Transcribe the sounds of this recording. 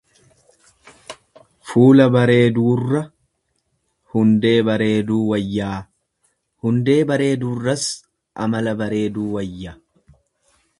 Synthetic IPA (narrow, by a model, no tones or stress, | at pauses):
fuːlɐbɐɾe̞ːd̪uːrːɐ | hʊnd̪e̞ːbɐɾe̞ːd̪uːwɐjːaː | hʊnd̪e̞ːbɐɾe̞ːd̪uːrːɐs | ʔɐmɐlɐbɐɾe̞ːd̪uːwɐjːa